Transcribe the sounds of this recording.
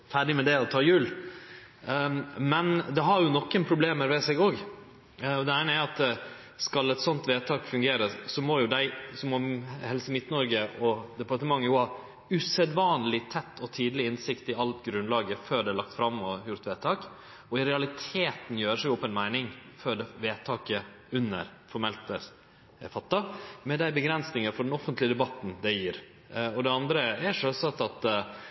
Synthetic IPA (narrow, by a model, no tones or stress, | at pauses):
fæɖɪmɛd̪ɛɔt̪ʰɑːjʉːl | mɛnd̪ɛɦɑɾjʊnɔkːənpʰɾʊbleːməɾʋɛsɛɡoːɡ | ɔd̪ɛæɪnəæɾɑt̪ | skɑlɛt̪sɔnt̪ʋeːt̪ʰɑːkfʉŋɡeːɾəsɔmɔjʊd̪æɪsɔmɔmhɛlsəmɪt̪nɔɾɡəʔɔd̪ɛpɑʈ̪əmɑŋːəjʊhɑɾ | ʉsɛd̪ʋɑːnlɪt̪ʰɛt̪ːɔt̪ʰiːd̪lɪɪnsɪkt̪ɪɑlt̪ɡɾʉnlɑːɡəføːɖɛlɑkt̪fɾɑmːɔjʊɾt̪ʋeːt̪ʰɑːk | ɔɪɾɛɑlɪt̪ʰeːt̪n̩jøːɾəʂæɪɡɔpːəɛnmæɪnɪŋføːɖ̪ɛʋeːt̪ʰɑːkə | ʉnːə̰ɾfɔɾmɛlt̪əɾ | fɑt̪ːɑmɛd̪æɪbəɡɾɛnsnɪŋəfɔɖɛnɔfənt̪lɪəd̪ɛbɑt̪ːn̩d̪ɛjiːɾ | ɔd̪ɛɑnd̪ɾəæʂœsɑt̪ːɑt̪